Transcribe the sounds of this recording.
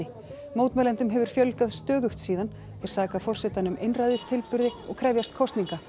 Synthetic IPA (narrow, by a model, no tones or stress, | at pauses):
ɪ | moːwt̪mɛlɛnt̪ʏmɦɛvʏɾ̥fjœlkaðst̪œːðʏxt̪siːðan | ɛɾ̥saːkafɔr̥sɛt̪anʏmʔejnrajðɪst̪ʰɪlpʏɾðɪɔɣkʰɾɛvjast̪̚kʰɔst̪niŋka